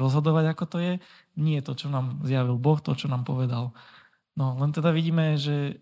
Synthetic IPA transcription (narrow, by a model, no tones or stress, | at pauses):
ɾɔzɦɔd̪ɔʋaɟakɔt̪ɔjɛ | ɲɪɛt̪ɔt͡ʃɔnaːmzjaʋilbɔxt̪ɔt͡ʃɔnaːmpɔʋɛd̪al | nɔlɛnt̪ɛd̪aʋiɟiːmɛʒɛ